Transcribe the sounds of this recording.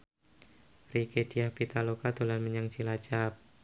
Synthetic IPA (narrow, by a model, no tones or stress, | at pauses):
riked̥iahpit̪alokad̪olanməɲaŋt͡ʃilad͡ʒap̚